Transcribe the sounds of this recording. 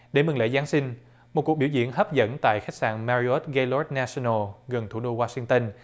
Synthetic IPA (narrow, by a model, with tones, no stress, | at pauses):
ɗe˧˩mɨ˨˩ŋlḛ˧˥˦zaː˨˦nsï˧ŋ̟ | mo˨˩t̚ku˨˩k̚ɓi˧˩wzḭ˧˨ənɦə˦˥p̚zə̰˧˥nt̪a̰ː˧˨jxa˦˥jk̚sa̰ː˧˨nmaː˧ɾi˧o˦˥t̚ɣa˧lɔ˦˥t̚naː˧si˧no˧˩ɣə˨˩nt̪ʰu˧˩ɗo˧waː˧sï˧ŋt̪ə˧n